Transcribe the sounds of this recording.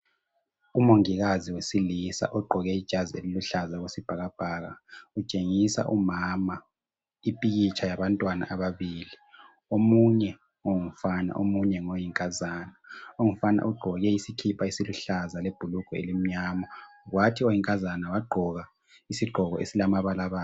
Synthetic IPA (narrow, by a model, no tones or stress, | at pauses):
umoŋiɣaziwesilisa̰ʔɔɡ͡ǃʱɔɣɛid̥ʒ̥ʱaziḛliluɬazaɣesib̥ʱaɣab̥ʱaːɣa̰ut͡ʃʼeŋisa̰ʔumama | ipʼiɣit͡ʃʰajaβantʼwana̰ʔaβaβiːli | omuɲɛ | oŋufana̰ʔomuɲɛŋojiŋkʼazaːnaoŋufana̰ʔuɡ͡ǃʱɔɣɛisikʰipʰaisiluɬazaleb̥ʱuluɡ̥ʱɔḛlim̩ɲaːmɔɣwatʰiojiŋkʼazanawaɡ͡ǃʱɔɣa | isiɡ͡ǃʱɔɣɔ̰ḛsilamaβalaβaː